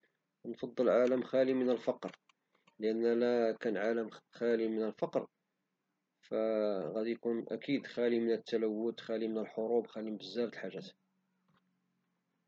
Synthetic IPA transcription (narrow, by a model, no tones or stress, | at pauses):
nfɑd̪ˤːəlʕaləmxælimənəlfɑqɾ | ləʔænːælækænʕaləmxælimənəlfɑqɾ | fæɣæd̪ijkunʔæ̰kid̪xælimənət̪ːælæwːʊt̪xælimənəlħoɾubxælimbəzːæɾt̪lħaʒːæt̪